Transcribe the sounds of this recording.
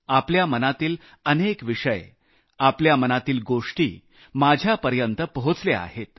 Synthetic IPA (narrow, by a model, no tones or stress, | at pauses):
apljamənat̪iːl | ənekʋiʂəj | apljamənat̪iːlɡoʂʈḭː | mad͡ʑʱjapəɾjənt̪əpəɦut͡slea̰ɦet̪